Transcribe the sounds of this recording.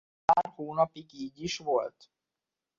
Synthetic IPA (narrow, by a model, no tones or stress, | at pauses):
aːrhoːnɒpiɡiːɟiʃʋo̞lt̪